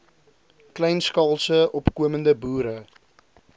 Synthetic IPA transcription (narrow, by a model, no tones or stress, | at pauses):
klɛjnskɑlˠsəʔɔpkuəməndəbuːɾə